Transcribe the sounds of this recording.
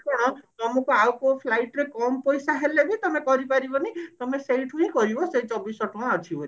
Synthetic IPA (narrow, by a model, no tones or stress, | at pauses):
kɔɽ̃ɔ̃t̪ɔmɔkuawkopʰlajʈɾekɔmpɔjsaɦelebit̪ɔmekɔɾipaɾibɔnet̪ɔmesejʈʰũɦĩkɔɾibɔsejt͡ʃɔbisɔʈɔɽ̃ɔt͡ʃʰibɔɾi